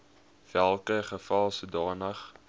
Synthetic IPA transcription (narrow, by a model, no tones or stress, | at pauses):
v̥ælˠkəχəfɑlˠsudɑːnəχ